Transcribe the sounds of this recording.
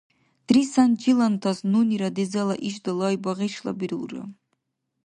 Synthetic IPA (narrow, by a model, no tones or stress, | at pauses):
d̪̥risand͡ʒilant̪ʰasnuniɾad̪ezalaʔiʃd̪alˠajbaʁeʃla̰biɾɨlrɨ̰